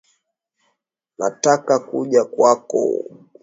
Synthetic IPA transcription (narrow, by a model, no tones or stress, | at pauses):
natakakuʄakwakɔ̰